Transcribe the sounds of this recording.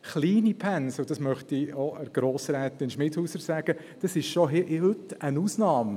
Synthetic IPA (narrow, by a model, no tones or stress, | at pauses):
χliːnipʰænsʊd̥ɑsmœχt̪ioəɾɡ̥ɾoːsɾɛːt̪ɪnʃmɪthuːsəsæɡ̥ə | d̥ɑsɪʃʃoɦɪʔɪhʏtənuːsnɑːm